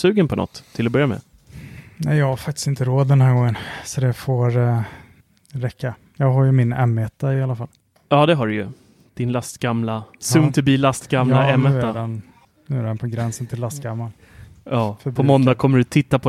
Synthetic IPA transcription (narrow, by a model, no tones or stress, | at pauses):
sʉ̟ːɡənpʰɔnɔ̰t̪ʰːɪlɔbœɾjamɛ̰ | næɪjɑːɡhaɾfak̚t̪ɪ̥st̪ɪnt̪əɾoːd̪ːɛnhæɾɡɔŋːənsɔd̪ɛfoɾ | ɾɛkʰːa | jɑːɡɦaɾjɵmɪnɛmːɛt̪ːaɪalafalː | jɑːd̪ɛɦaɖɵjɵ | d̪̥ɪnlast̪ɡamlasʉːnʰœɾbiːlast̪ɡamlaɛmːɛt̪ːad̪an | nʉ̟ːæɾɛnpʰɔɡɾɛnsənt̪ʰɪlːast̪ɡamːan | jɑːfœpʰɔmɔnd̪akʰɔmːəɖɵt̪ʰɪt̪ːapʰɔ